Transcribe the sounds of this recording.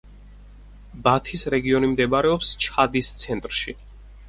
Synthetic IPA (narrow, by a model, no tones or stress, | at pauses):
bat̪ʰisɾɛɡiɔnimd̪ɛbaɾɛɔpst͡ʃʰad̪ist̪sʰɛnt̪ʼɾʃi